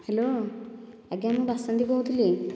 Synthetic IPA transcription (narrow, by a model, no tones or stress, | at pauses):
helo | aɡamubasant̪ikowt̪ʰili